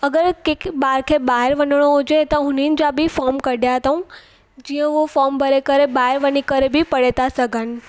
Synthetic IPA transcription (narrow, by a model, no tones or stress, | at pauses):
əɡəɾkekbaɾkʰebaɦeɾʋənəɽ̃ood͡ʒet̪ɔɦʊnind͡ʒabʱifɔɾmkəɖjaɦət̪aũ | d͡ʒĩjə̃ʋofɔɾmbʱəɾekəɾebaɦeɾʋənikəɾebʱipəɽet̪asəɡʱən